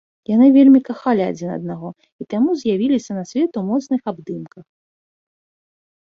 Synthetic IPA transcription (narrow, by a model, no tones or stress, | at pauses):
janɨvʲelʲmʲikaxalʲia̰d͡zʲinɐ̰d̪naɣɔ | it̪amuzʲjavʲilʲisʲɐnɐsʲvʲɛt̪umɔt̪snɨxabd̪ɨmkɐx